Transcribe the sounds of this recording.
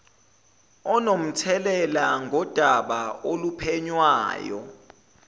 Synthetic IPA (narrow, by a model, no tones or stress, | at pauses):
ɔnom̩tʰɛlɛlaŋɡʱɔd̥ʱaɓaolupʰɛɲwa̰ːjɔ̰